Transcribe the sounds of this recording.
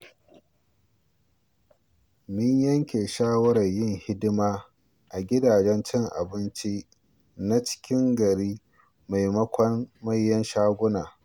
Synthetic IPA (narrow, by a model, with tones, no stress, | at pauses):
mɪ˦ɲjɐ˦ŋkʲeː˨ʃaː˦wɐ˦ɾɐ˨ɲjɪ˦˨ŋhɪ˦dɪ˦maː˦ | ʔa˨ɡʲɪ˦daː˨d͡ʒɛ˦nt͡ʃɪ˦ŋʔa̰˨bɪ˦nt͡ʃi˦ | na˦t͡ʃɪ̥˦kʲɪ˦ŋɡɐ˨ɾiː˦ | ma˨jmɐ˦kʷɐ˦nmɐ˦jːɐ˦nʃaː˦ɡʷʊ˦naː˨